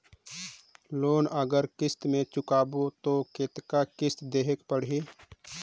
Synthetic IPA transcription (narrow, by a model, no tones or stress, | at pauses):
loːnəɡəɾkɪst̪mẽt͡ʃʊkaːbot̪oket̪kakɪst̪d̪eːɦekpəɽ̤iː